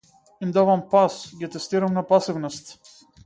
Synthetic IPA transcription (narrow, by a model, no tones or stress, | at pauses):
imd̪avampasɡʲit̪ɛst̪iɾamnapasivnɔst̪